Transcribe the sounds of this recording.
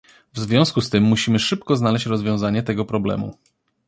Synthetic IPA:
vzvʲjɔ̃skust̪ɘmːuɕimɘʂɘp̚kɔznalɛɕt͡ɕɾɔzvʲjɔ̃w̃zaɲɛt̪ɛɡɔpɾɔblɛ̰mṵ

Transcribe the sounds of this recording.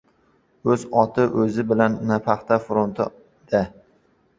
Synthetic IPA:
ɵzɒt̪ʰɪʔɵzɪbɪlanːapʰaχt̪afʊɾont̪ʰɪ̰ | d̪̥a

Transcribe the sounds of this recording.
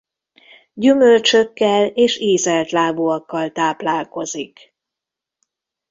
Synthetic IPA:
ɟymølt͡ʃøkːɛleːʃeːzɛlt̪laːbuɒkːɒlt̪aːplaːlko̞zik

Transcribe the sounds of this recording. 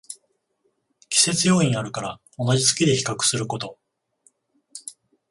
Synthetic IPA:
kʲi̥se̞t͡sɨjo̞ːĩɲ̃aɾɯ̟kaɾa | o̞naʑisɨ̥kʲid̪e̞çi̥kakɯ̟̥sɨɾɯ̟ko̞t̪o̞

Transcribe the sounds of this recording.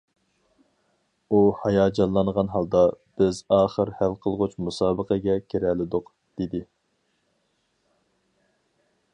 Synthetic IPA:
uhɑjɑːd͡ʒɑnlˠːɑnʁɑnɦɑlˠd̪ɑb̥ɪzɑːχəɾhælqʰəlˠʁʊt͡ʃmusɑːbəqəɡʲɛkʲʰeɾɛlɪd̪ʊq | d̪̥ed̪ɪ

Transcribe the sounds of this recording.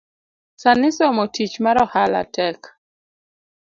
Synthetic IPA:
sanɪsɔmotit͡ʃmaɾɔhala̰tɛk

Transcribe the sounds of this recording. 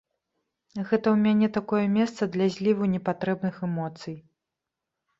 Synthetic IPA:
ɣɛt̪ɐwmʲanʲɛt̪akɔjɛmʲɛst̪sɐd̪lʲazʲlʲivunʲɛpat̪ɾɛbnɨxɛmɔt̪sɨj

